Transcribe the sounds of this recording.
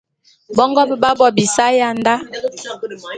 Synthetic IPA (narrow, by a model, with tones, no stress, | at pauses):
bɔ˦ŋɡɔ˦bə˨ba˦bɔ˨bi˨sa˦ja˦˨nda˦